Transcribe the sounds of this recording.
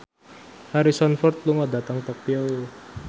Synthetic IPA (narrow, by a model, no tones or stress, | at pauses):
haɾisɔnfɔrt̪̚luŋɔda̤t̪aŋt̪ɔk̚piɔ